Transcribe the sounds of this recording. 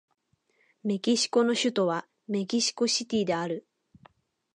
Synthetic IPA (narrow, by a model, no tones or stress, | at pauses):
me̞kʲiɕi̥ko̞no̞ɕɨt̪o̞βa | me̞kʲiɕi̥ko̞ɕit̪ʲiːd̪e̞aɾɯ̟